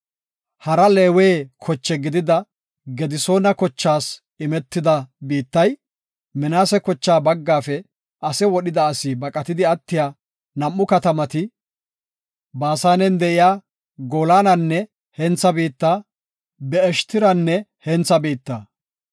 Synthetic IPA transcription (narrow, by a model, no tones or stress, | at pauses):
hɐɾɐleːweːkʰɔt͡ʃːɛɡɪd̪ɪd̪ɐ | ɡɛd̪ɪso̞ːnɐkɔt͡ʃːaːs | ɪmɛt̪ːɪd̪ɐbiːt̪ːɐj | mɪnaːsɛkɔt͡ʃːaːbɐɡːaːfɛ | ʔɐsɛwɔɗɪd̪ɐːsibɐkʼɐt̪ɪd̪ɪɐt̪ːɪjaː | nɐmːʊkɐt̪ɐmɐt̪ɪ | baːsaːnɛnd̪ɛʔɪjaː | ɡoːlaːnɐnːɛ | hɛnt͡sːɐbiːt̪ːaː | bɛɛʃt̪ɪɾɐnːɛhɛnt͡sːɐbiːt̪ːɐ